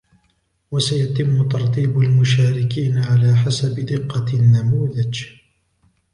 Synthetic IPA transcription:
wasajat̪ɪmːʊt̪ɑɾˤt̪ˤiːbalmʊʃaːɾɪkiːnaʕalaːħasabɪd̪ɪqːɑnːamuːðad͡ʒ

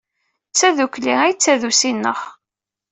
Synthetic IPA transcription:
t͡sːæðukliæjt͡sːæðusinːə̰χ

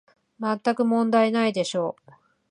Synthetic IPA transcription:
mat̪ːakɯ̟mõ̞nd̪ainaid̪e̞ɕo̞ː

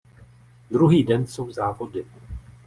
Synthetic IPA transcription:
d̪ɾuɦiːdɛnso̞wzaːvo̞dɪ

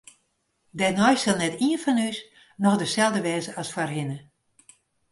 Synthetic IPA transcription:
dɛnɔjsɪlˠnɛtiənfɔnys | nɔxdəsɛlˠdəʋɛːzəɔsfarɦɪnə

